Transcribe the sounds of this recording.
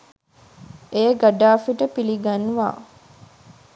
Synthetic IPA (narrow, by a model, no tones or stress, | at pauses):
eːɡaɖaːfiʈəpiliɡanʋa̰ː